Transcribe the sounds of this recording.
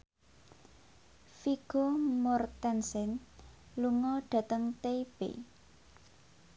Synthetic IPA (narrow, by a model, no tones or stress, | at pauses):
fiɡ̥omɔrt̪ɛnsɪn | luŋɔɖ̥ä̤t̪əŋt̪eib̥ḛ